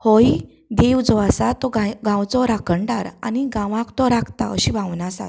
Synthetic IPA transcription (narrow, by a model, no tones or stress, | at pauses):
hɔi | d̪ewd͡zɔasat̪ɔɡaɡãwt͡sɔɾakəɳɖaɾaniɡãʋãkt̪ɔɾakʰt̪a̰əɕibʱãwnasa̰t